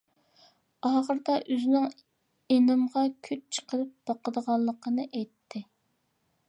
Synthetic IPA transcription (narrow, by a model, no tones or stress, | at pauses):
ɑːʁəɾd̪ɑʔøznɪŋ | enɨmʁɑkʲʰyt͡ʃ̚t͡ʃʰə̥qəɾɨp̚b̥ɑqəd̪əʁɑlˠːəqʰənɨʔɛjt̪ʰːɪ